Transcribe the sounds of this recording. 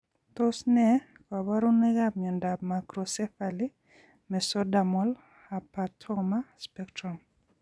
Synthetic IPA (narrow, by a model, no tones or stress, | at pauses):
t̪osnɛ | kabaɾunɛɡabɲɔndabmakɾɔsɛfali | mɛsɔdamɔl | apatʰɔmaspɛktɾɔm